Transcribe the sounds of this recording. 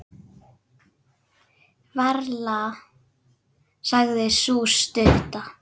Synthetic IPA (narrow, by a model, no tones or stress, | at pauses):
vaɾla | saɣðɪsust̪ʏht̪a